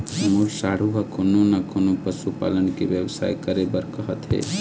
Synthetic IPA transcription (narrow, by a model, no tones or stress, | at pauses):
əmulsaːɽ̤ubɐkononakʰonopəsupa̰ːlənkeʋjəwsa̰ːjkəɾebəɾkəɦət̪ɦɛ̰ː